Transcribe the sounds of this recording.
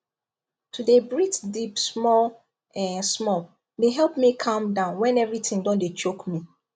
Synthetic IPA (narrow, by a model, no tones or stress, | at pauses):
tʰudebɹitdipsmɔl | ɛ̃nsmɔl | deɦɛlˠpmikʰãmdãʊ̃nwɛ̃nɛvɹitʰɪ̃ŋdɔ̃ndet͡ʃokmi